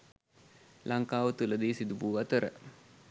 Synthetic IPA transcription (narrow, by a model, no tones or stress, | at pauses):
lʔaŋkaːʋət̪uləd̪eːsid̪ubuːʋat̪əɾə̰